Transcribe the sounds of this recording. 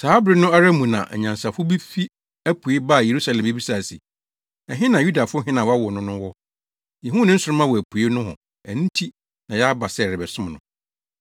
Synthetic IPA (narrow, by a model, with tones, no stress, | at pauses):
saː˦bɾɪ˦nʊ̃˦a˦ɾa˦mũ˨nã̰˨ʔɛ̰˨ɲã˨nsa˨fʊ˦bi˦fi˦ | æ˦pʰu˨e˦ba˦˨je˨ɾu˦sa˨lɛ̃˨mbi˦bi˦sa˨sḭ˨ | ɛ˨ɦɪ̃˦nã˨ju˦da˨fʊ˦ɦɪ̃˦nã˨wɔ˦a˦wɔ˨nʊ̃˦nʊ̃˦wɔ˦ | jɛ˨ɦũ˦nɪ̃˦n̩˦sʊ˨ʊ˦mã˦wɔ˨æ˨pʰu˨e˦nʊ̃˦ɦʊ̰̃˨ | æ˨n̩˦tʰi˦ | nã˨jɛ˦a˦ba˨sɛ˦˨ɾɪ˨bɛ˨sʊ̃˦m˨nʊ̰̃˨